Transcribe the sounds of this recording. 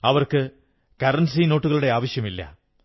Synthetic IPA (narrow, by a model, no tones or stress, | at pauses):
ɐʋɐrkɨ | kɐrɐnsino̞ːʈːuɣɐɭuɽe̞aːʋɐɕjɐmilːɐ̰